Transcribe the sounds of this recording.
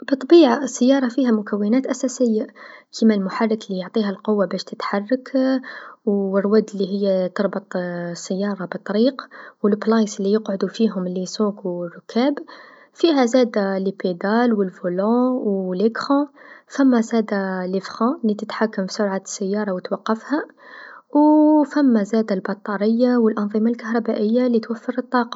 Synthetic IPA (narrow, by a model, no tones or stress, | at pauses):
bət̪ˤbiʕasːəjːɑɾˤɑfihæmʊkæwːənæt̪ʔæsæsəjːakʰimælmʊħɑrˤːəklijoʕt̪ˤiɦælqʊwːabæʃt̪ət̪ħarˤːək | wərːwæd̪əlːiɦəjːæt̪əɾˤbət̪ˤsːəjːɑɾˤɑbət̪ˤːɑɾiqwəlplɑjslːijəqʕod̪ufiɦʊmlisukwrʊkæb | fiɦæzæd̪aliped̪ɑlwəlvulɑ̃wləkɾɑ̃fæmːæzæd̪aləfɣɑ̃lit̪ət̪ħakːəmfi̥sʊɾʕasːəjːɑɾˤɑwət̪wɑqːəfhæ | wfæmːæzæd̪albɑt̪ˤːɑɾˤəjːawəlʔɑnðˤimɑlkaɦɾˤɑbæʔəjːalit̪wæfːəɾət̪ˤːɑqɑ